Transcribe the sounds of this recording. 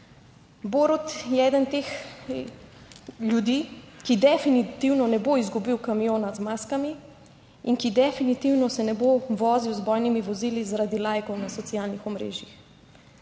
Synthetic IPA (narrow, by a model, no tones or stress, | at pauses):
boɾɔt̪jɛɛd̪ənt̪ex | ljud̪iːkid̪ɛfinit̪iwnɔnɛboizɡubiwkamijoːnazmaːskami | inkid̪ɛfinit̪iwnɔsɛnɛboʋɔːziwzbɔjnimiʋɔziːlizaɾad̪ilajkɔwnasɔt̪sijaːlnixɔmɾḛːʒjix